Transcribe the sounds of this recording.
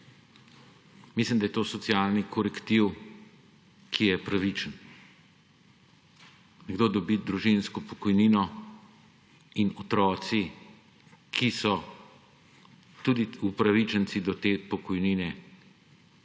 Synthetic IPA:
mislimd̪ajɛt̪oːsɔt̪sjaːlnikʰɔɾɛkt̪iw | kʰijɛpɾaʋit͡ʃən | nɛɡd̪oːd̪ɔbid̪ɾuʒinskɔpɔkɔjninɔ | inɔt̪ɾɔːt̪si | kʰisɔ | t̪uːd̪iupɾaʋit͡ʃənt̪sid̪ɔt̪eːpɔkɔjniːnɛ

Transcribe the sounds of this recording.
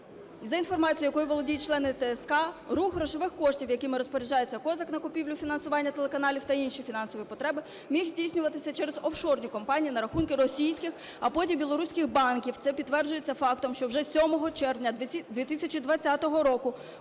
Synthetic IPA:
izɐin̪fɔrmɑt͡sʲijʊjɐkɔjʊʋɔlˠɔdʲijt͡ʃlˠɛnɪt̪ɛɛskɑruxrɔʃɪʋɪxkɔʃtʲiwjɐkɪmɪɾɔspɔɾʲɪd͡ʒɑjet͡sʲːɐkɔzɐknɐkʊpʲiwlʲʊfʲinɐnsʊʋɑnʲːɐt̪elˠekɐnɑlʲiwt̪ɐinʃifʲinɑnsɔʋjipɔt̪ɾɛbɪ | mʲixzʲdʲijsʲnʲʊʋɐt̪ɪsʲɐt͡ʃɛɾezɔwʃɔrnʲikɔmpɑnʲijinɐɾɐxunkɪɾɔsʲijsʲkɪx | ɐpɔtʲimbʲilˠɔɾusʲkɪxbɑnkʲiwt̪sɛpʲit̪ːʋɛrd͡ʒʊjet͡sʲːɐfɑkt̪ɔmʃt͡ʃɔwʒɛsʲɔmɔɦɔt͡ʃɛrʋnʲɐd̪ʲʋʲit̪isʲɐt͡ʃid̪ʋɐt͡sʲːat̪ɔɦɔɾɔkʊ

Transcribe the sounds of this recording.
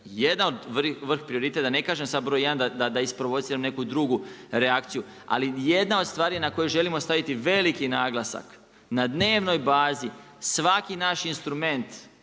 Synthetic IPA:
jed̪nanod̪ʋr̩xʋr̩xpɾio̞ɾit̪e̞t̪ad̪ane̞kaːʒemsad̪̚bɾo̞jeand̪ad̪ad̪aispɾo̞ʋo̞t̪siːɾamne̞kud̪ɾuɡuɾeakt̪siju | a̰lije̞d̪naod̪st̪ʋaːɾinako̞jeʒe̞limo̞st̪aʋit̪iʋe̞likinaːɡlˠasa̰k | nad̪ne̞ːʋno̞jbaːzi | sʋakinaːʃinst̪ɾume̞nt̪

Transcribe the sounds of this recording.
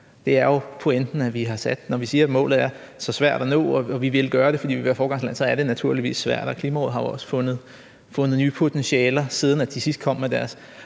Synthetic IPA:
d̥e̝æɐjopʰoend̥n̩æʋiɦɑ̈sæd̥nɒʋisiːɐmɔ̰ːlð̩ˠæɐ | sɒ̽sʋæɐ̰d̥ɒno̰ːɒ̽ɒ̽ʋiʋe̝lɡ̥ɶːɐɾ̥e̝fɒd̥ḭːʋiʋæːɐfɒːɡ̥ɑ̈ŋslæn̰sɒ̽æɐɾ̥e̝næt͡sʰuɐ̰liʋḭːsːʋæɐ̰d̥ɒ̽kʰliːmæoð̩ˠɦɑ̈ʋɒ̽sfɔ̽nð̩ˠ | fɔ̽nəð̞̩ˠnyːpʰo̝t͡sʰensiɛːlɐsið̞ˠn̩æd̥isisd̥̚kʰɒ̽m̰med̥æɐs

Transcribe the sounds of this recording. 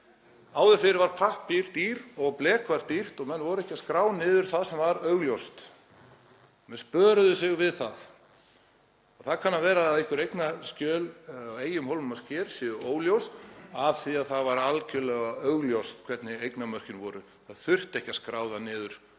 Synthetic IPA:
aːwðɪfɪɾɾvaɾ̥pʰahpɪɾ̥t̪iːɾɔɣplɛːkvaɾ̥t̪ir̥t̪ɔɣmɛnːvɔɾʏɛhcaskɾaːwnɪːðʏɾ̥θaðsɛmvaɾœɣljowst̪ | mɛnspœːɾʏðʏsɪɣvɪðθað | ɔɣθaðkʰanːavɛːɾaːðɪhkʏɾejknascœːlweːjʏmhowlvʏmascɛːɾ̥sjɪːðʏoːwljowsavθiaðθaðvaɾalcʏlɛɣaœɣljowst̪kʰvɛt̪nɪejknamœr̥cɪnvɔːɾʏ | θaðθʏr̥t̪ɛhcḁskɾaːwðanɪːðʏɾ̥

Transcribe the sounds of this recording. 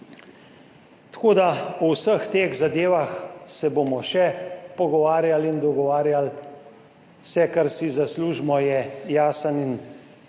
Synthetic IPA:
t̪koːd̪aɔwsəxt̪eːɣzad̪eːʋaxsɛboːmɔʃɛpɔɡɔʋaːɾjalind̪ɔɡɔʋaːɾjal | wsɛkaɾsizasluːʒmɔjɛjaːsənin

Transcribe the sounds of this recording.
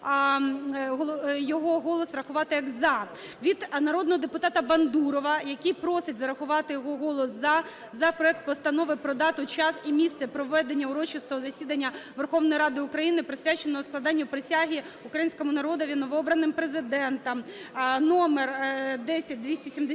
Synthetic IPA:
ɦɔjɔɦɔɦɔlˠɔsɾɐxʊʋɑt̪ɪjɐɡzɐ | ʋʲid̪nɐɾɔd̪nɔɦɔd̪epʊt̪ɑt̪ɐbɐnd̪uɾɔʋɐjɐkʲijpɾɔsɪtʲzɐɾɐxʊʋɑt̪ɪjɔɦɔɦɔlˠɔszɐ | zɐpɾɔɛk̚t̪̚pɔst̪ɐnɔʋɪpɾɔd̪ɑt̪ʊt͡ʃɑsimʲist̪sɛpɾɔʋɛd̪enʲːɐʊɾɔt͡ʃɪst̪ɔɦɔzɐsʲid̪ɐnʲːɐʋerxɔʋnɔjiɾɑd̪ɪʊkɾɐjinɪpɾɪsʲʋʲat͡ʃenɔsklˠɐd̪ɑnʲːʊpɾɪsʲaɦʲi | ʊkɾɐjinʲsʲkɔmʊnɐɾɔd̪ɔʋʲinɔʋɔɔbɾɐnɪmpɾezɪd̪ɛnt̪ɐmnɔmerd̪ɛsʲɐt̚ʲd̪ʲʋʲisʲtʲisʲimd̪e

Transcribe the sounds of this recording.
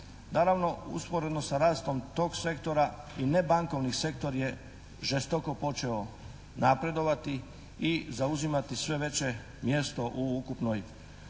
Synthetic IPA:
naːɾaʋno̞ṵspo̞ɾe̞d̪no̞saɾaːst̪o̞mt̪o̞ːɡse̞kt̪o̞ɾa | ine̞baŋko̞ʋnise̞kt̪o̞ɾje̞ | ʒest̪oko̞po̞t͡ʃe̞o | napɾe̞d̪o̞ʋat̪i | izauzimat̪isʋe̞ʋe̞t͡ɕe̞ | mje̞st̪o̞ʔuukupnoj

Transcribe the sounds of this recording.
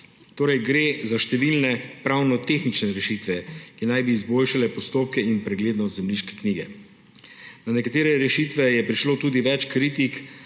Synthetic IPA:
t̪oːɾɛjɡɾeːzaʃt̪ɛʋilnɛpɾawnɔt̪exnit͡ʃnɛɾɛʃit̪ʋɛkinajbiːzboːlʃalɛpɔst̪oːp̚kɛinpɾɛɡleːd̪nɔst̪zɛmliːʃkɛ̥kniːɡɛ | nanɛkat̪eːɾɛɾɛʃit̪ʋɛjɛpɾiʃloːt̪uːd̪iʋɛt͡ʃkɾit̪ik

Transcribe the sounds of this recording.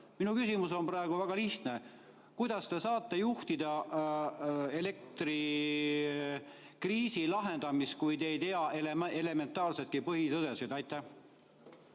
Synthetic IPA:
minukysimuso̞nprɑeɡ̥uvæɡ̥ɑliht̪ne̞ | kujd̪̥ɑst̪e̞sɑːt̪ːe̞juht̪id̪ɑ | e̞le̞k̚t̪ri | kriːsilɑɦe̞nd̪̥ɑmis̚kujd̪ejt̪e̞ɑʔelee̞le̞me̞nt̪ːˑɑːlset̪̚kipɤɦit̪ɤd̪e̞sid̪̥ɑjt̪ːˑæh

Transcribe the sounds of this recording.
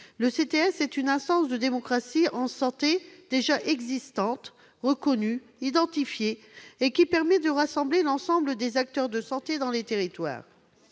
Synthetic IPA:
ləset̪eɛsɛt̪ynɛ̃st̪ɑ̃sd̪əd̪emɔkχasiɑ̃sɑ̃t̪ed̪eʒaʔɛɡzist̪ɑ̃t̪ | ʁəkɔny | id̪ɑ̃t̪ifjeːkʲipɛʁmɛd̪əʁasɑ̃blelɑ̃sɑ̃bləd̪ezak̚t̪œʁd̪əsɑ̃t̪ed̪ɑ̃let̪eʁit̪wa̰ːʁ

